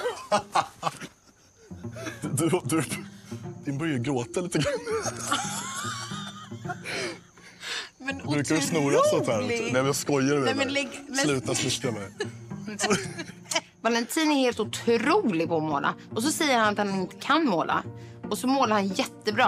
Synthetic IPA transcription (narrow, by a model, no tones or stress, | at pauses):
d̪d̪ʉd̪ʉ | d̪̥ɪnbœɾjaɡɾoːt̪aliːt̪əɡɾanː | mɛnbɾʉːkkavɪsnuːɾasɔnt̪æːɾɔnɛvaskɔjːaɾɛslʉ̟ːt̪asmɪst̪amɛj | malɛnt̪ʰiːnɛheːlt̪ʊt̪ʰɾuːlɪɡ̚pʰɔːmoːlʔa̰ʔɔs̬ɔsɛjːəɾhanat̪hanɪnt̪ə̥kʰanmoːlʔa̰ʔɔsɔmoːlaɾhanjɛt̪ːəbɾɑː